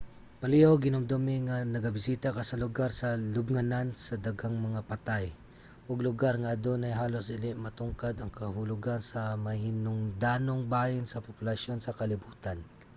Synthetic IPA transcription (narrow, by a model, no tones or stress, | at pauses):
pɐliʔowɡɪnomd̪omɪŋanɐɡabɪsiːt̪akɐsɐlʊɡaɾsɐlʊbŋanansɐd̪aɡaŋmɐŋapɐt̪aj | ʔʊɡlʊɡaɾŋɐʔɐd̪onɐjɦaːlosɪlɪmɐt̪ʊŋkad̪ɐŋkɐɦʊlʊɡansɐmɐhinʊŋd̪aːnoŋbaːjɪnsɐpʊpʊlɐʃo̞nsɐkɐlɪbuːt̪an